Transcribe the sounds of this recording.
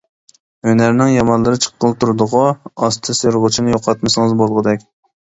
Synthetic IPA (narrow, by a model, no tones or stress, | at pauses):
ønæɾnɪŋjɑmɑnlˠɨɾɨt͡ʃʰə̥qːəlˠt̪ʰuɾɨd̪ʊʁɑɑst̪ʰɨseɾʁʊt͡ʃʰinɪjoqʰɑt̪mɨsɨŋɨzbolˠʁəd̪ɛkʲ